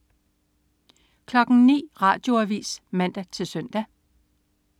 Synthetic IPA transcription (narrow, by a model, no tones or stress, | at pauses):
kʰlɒ̽ɡ̥ŋ̩nḭːʁɑ̰̈ːd̥jo̝æʋḭːsmæn̰d̥æt͡sʰe̝lsœn̰d̥æ